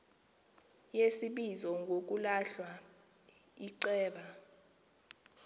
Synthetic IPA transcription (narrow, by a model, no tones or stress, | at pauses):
jesiɓizɔŋɡʱok̬ʼulaɬwa | iǀɛːɓa